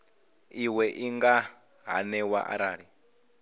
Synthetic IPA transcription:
iwɛʔiŋɡa | ɦa̰nɛwa̰ʔa̰ɾaːɺi

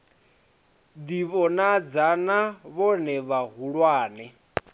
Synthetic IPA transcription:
d̪iβɔnad͡zanaβɔnɛβaɦuɺwaːnɛ

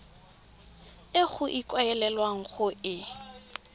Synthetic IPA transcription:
ɪχʊʔikʼwaɛlɛlwaŋ̩χʊʔɪ

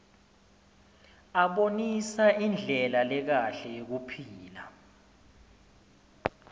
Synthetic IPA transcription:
aɓonisaʔind͡ɮʱɛlalɛk̬aɬɛjok̬upʰiːla̰

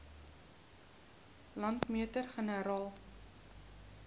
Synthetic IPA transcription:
lɐntmyətərχənəɾɑːlˠ

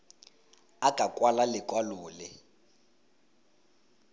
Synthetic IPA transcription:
akʼakʼwalalɪkʼwalʊːlɪ

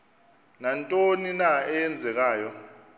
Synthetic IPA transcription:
nantʼoninaɛjɛnd͡zʱɛk̬aːjɔ

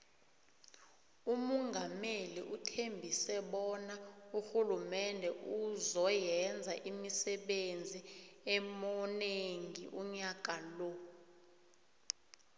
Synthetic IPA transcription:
umuŋɡʱamelḭʔutʰembʱisɛɓɔnauxulumɛndʱɛuzɔjɛnd͡zʱaʔimisɛɓend͡zʱiɛmɔneŋɡʱiʔuɲak̬ʼalɔ

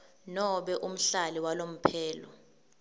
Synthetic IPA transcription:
nɔɓɛʔum̩ɬaliwalom̩pʰɛːlɔ̰

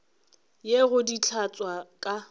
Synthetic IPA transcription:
jeɣʊdit͡ɬʰat͡sʼwakʼa

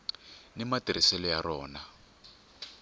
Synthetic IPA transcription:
nimatiɾisɛlɔjarɔːna

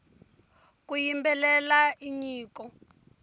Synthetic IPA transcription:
k̬ujimbɛlɛlaiɲiːkɔ

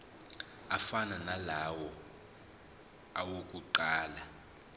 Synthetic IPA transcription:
afananalawɔ | awok̬ʼuǃaːla

